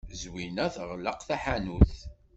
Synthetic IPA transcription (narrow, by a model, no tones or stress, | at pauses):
zwinæθʁləqθæħanuθ